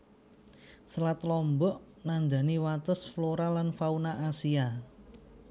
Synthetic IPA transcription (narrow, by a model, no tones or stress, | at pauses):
səlat̪lɔmbɔʔ | nand̪a̤niwat̪əsfloɾalanfaunaʔasia